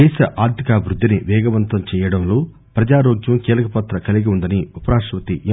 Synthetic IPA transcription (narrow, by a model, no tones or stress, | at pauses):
ɛːʃɐʔaːɾd̪ikaːbʱɾud̪ʱːiniʋɛːɡɐʋɐnt̪ɐmt͡ʃɛːjɐɽɐmloː | pɾɐd͡ʒaːɾoːɡjɐmkiːlɐkɐpɐt̪ɾɐkɐliɡiund̪ɐniupɐɾaːʃʋɐt̪iʔ